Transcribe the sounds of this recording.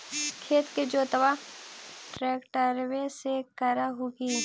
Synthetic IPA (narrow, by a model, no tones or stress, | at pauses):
kʰeːt̪ked͡ʒoːt̪əʋa | ʈɾeːkʈəɾwesekəɾaɦoːɡi